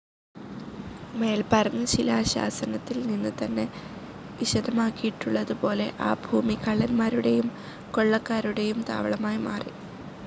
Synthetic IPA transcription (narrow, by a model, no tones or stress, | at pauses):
me̞ːlpɐrɐnːɨt͡ɕilaːɕa̰ːsɐnɐt̪ːilninːɨt̪ɐnːe̞ | ʋiɕɐd̪ɐmaːkːijiʈːuɭːɐðupo̞ːle̞ʔaːbʱuːmikɐɭːɐnmaːɾuɽe̞jum | ko̞ɭːɐkːaːɾuɽe̞jumt̪a̰ːʋɐɭɐmaːjma̰ːri